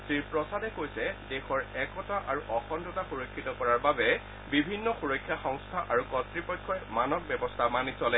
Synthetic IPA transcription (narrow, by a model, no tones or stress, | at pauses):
sɹiɹpɹɔsadɛkojsɛdɛxɔɹɛkɔtaʔaɹuʔɔxɔndɔtaxuɹokʰːitɔkɔɹaɹbabɛ | bibʱinːɔxuɹojkʰːjaxɔŋstʰaʔaɹukɔtɹipɔjkʰːɔɛmanɔk̚bjɛbɔstʰamanisɔlɛ